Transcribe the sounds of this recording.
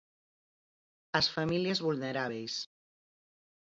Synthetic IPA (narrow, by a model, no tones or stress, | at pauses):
əsfamiliəzβulnəɾaβ̞ejs